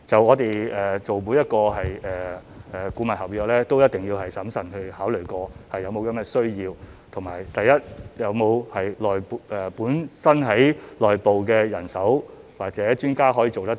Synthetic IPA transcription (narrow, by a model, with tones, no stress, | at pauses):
t͡sɐ˨wŋɔː˨˧t̪e˨jɛː˨t͡so˨wmuː˨˧jɐ˥t̚kɔː˧ɦɐ˨jɛː˨ʔɛː˨˩kuː˨˧˥mɐ˨nhɐ˨p̚jœː˧k̚lɛː˥t̪o˥wjɐ˥t̚t̪ɪ˨˩ŋjiː˧whɐ˨jsɐ˨˥msɐ˨˩nhɵ˧ɥhaː˨˥wlɵ˨˩kɔː˧hɐ˨jːɐ˨˧wmo˨˧wkɐ˨˥mɛː˧sɵ˥ɥjiː˧wt̪ʰʊ˨˩ŋmaː˨˩jt̪ɐ˨jːɐ˥t̚jɐ˨˧wmo˨˧whɐ˨jlɔː˨jpɛː˨puː˨˥nsɐ˥nɦɐ˨˥jlɔː˨jpo˨wkɛː˧jɐ̰˨˩nsɐ˨˥w | waː˨k̚t͡sɛː˨˥t͡ʃyː˥nkaː˥ɦɔː˨˥jiː˧t͡so˨wt̪ɐ˥t